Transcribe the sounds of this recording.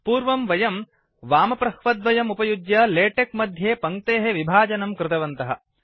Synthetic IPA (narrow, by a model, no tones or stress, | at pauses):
puːɾʋɐmʋɐjɐm | ʋaːmɐpɾɐhʋɐd̪ʋɐjɐmupɐjud͡ʒjɐleːʈek̚mɐd̪ʱjeːpɐŋkt̪eːɦeʋibʱaːd͡ʒɐnɐmkɾɪt̪ɐʋɐnt̪ɐɦɐ